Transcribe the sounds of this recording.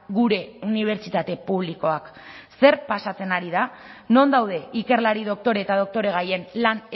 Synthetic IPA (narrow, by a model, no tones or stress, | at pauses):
ɡuɾe̞uniβ̞e̞ɾt͡ʃit̪at̪e̞puβ̞liko̞akse̞ɾpasat͡se̞naɾiða | no̞nd̪awðe̞ike̞ɾlaɾiðo̞k̚t̪o̞ɾe̞ːt̪að̞o̞k̚t̪o̞ɾe̞ɣ̞aje̞nlan